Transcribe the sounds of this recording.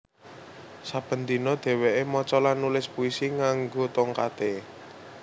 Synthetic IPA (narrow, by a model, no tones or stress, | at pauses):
sab̥ə̤nd̪inɔd̪̥ɛ̤weʔemɔt͡ʃɔlanulɪspuisiŋaŋɡot̪ɔŋkat̪e